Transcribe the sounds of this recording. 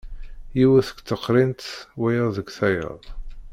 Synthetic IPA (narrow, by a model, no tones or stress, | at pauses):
jiwæθə̥kt͡s̪ːəqːɾint̪wæjəˤðəɡʷθæjə̰ðˤ